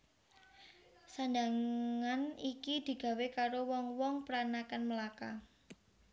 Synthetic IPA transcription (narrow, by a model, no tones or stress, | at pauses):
sand̪aŋanikid̪̥i̤ɡ̥a̤wekaɾowɔŋwɔŋpəɾanakanməlaka